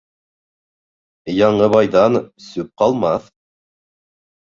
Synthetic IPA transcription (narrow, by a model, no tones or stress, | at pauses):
jɑɴɤβɑjðɑnsʉp̚qɑlˠmɑθ